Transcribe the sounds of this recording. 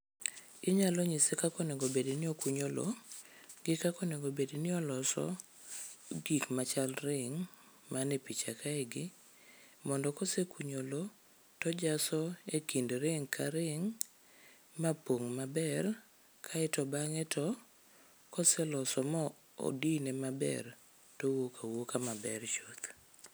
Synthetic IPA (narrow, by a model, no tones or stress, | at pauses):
ɪɲalɔɲisekakɔneɡobedinɪɔkuɲolo̰ | ɡɪkakɔneɡobedinɪɔlɔsɔ̰ | ɡikmat͡ʃalɾɪŋ | manepit͡ʃakʰaɛɡɪ | mɔndɔkɔsekuɲolo | tɔd͡ʒasɔekindɾɪŋkʰaɾɪŋ | mapoŋmabɛr | kʰaɛtɔbaŋɛtɔ | kɔsɛlɔsɔmɔ | o̰dinemabɛ̰r | towokʰawokamabɛrt͡ʃot̪